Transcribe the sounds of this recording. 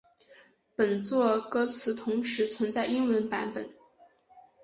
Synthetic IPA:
pə˨˩nt͡swɔ˥˩kɤ˥t͡sʰɹ̩˧˥t̪ʰʊ˧˥ŋʂɻ̩˧˥t͡sʰwə˧˥nt͡sa˥˩ɪi˥nwə˧˥npa˧˥npə˨˩˦n

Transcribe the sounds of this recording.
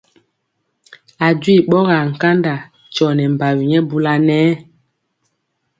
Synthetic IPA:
a˨dwi˦˨ɓɔ˦ɣa˨ŋ̩˨ka˦nda˨ | t͡ʃɔ˨nɛ˨m˨ba˨wu˨ɲɛ˦bu˦la˦nɛː˦

